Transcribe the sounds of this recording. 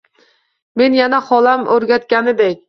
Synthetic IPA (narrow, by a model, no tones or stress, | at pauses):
me̞njanaχɒlamɵɾɡʲat̪kʲanɪd̪ekʲ